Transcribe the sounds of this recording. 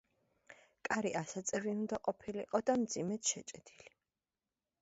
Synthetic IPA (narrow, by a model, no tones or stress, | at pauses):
kʼaɾiʔasat̪sʼɛviund̪aqʼɔpʰilḭqʼɔd̪amd̪zimɛt̪ʃɛt͡ʃʼɛd̪̥ili